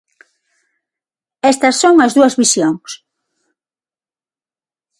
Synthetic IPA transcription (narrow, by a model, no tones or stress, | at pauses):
ɛst̪ɐsːoŋɐzðuɐzβisjoŋs